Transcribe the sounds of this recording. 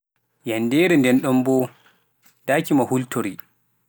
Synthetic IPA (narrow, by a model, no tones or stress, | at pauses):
jandɛɾɛndɛnɗɔmbɔ | daːkimahultʰoɾi